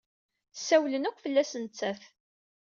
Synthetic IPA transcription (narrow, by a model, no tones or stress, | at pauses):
sæwlənækʷːfəlːæsənt͡sːæθ